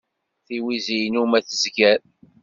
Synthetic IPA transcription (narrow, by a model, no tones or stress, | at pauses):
θiwizijnumæθəzɡæɾ